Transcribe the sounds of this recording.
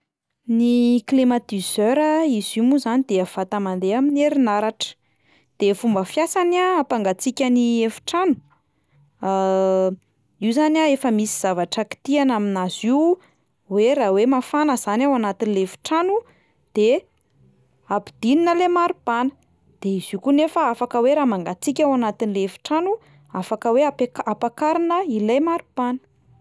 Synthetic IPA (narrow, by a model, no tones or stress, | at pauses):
niklimat̪izøɾəizimuzanid̪eav̥at̪amand̪eamineɾinaɾaʈ͡ʂə̥ | d̪̥efumbəfjasanaːpaŋɡat͡sikʲəniefi̥ʈ͡ʂanu̥ | iwzanaefəmisiz̥avaʈ͡ʂəki̥t̪ianaminaziw | weɾawemafanəz̥anawanat̪inileefi̥ʈ͡ʂanu | d̪̥e | apid̪̥ininəlemaɾub̥anə̥ | d̪̥eiz̥ikunefəafakəweɾaːmaŋɡat͡sikʲawanat̪inileefi̥ʈ͡ʂanu | afakəweakapakaɾinəilajmaɾub̥anə̥